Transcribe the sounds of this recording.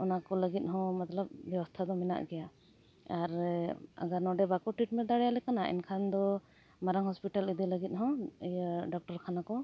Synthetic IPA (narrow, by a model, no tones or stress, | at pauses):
ɔnakɔləɡit̪̚ɦɔ̃mat̪lap̚bjɛwɔst̪ʰad̪ɔmɛna̰ʔɡɛja | aɾa̰ɡaɾnɔɖɛbakɔʈɾiʈmɛn̚d̪aɽɛjalɛkanaʔɛ̰nkʰand̪ɔ | maɾaŋhɔspiʈalid̪iləɡit̪̚ɦɔ̃əjaɖɔk̚ʈɔɾkʰanakɔ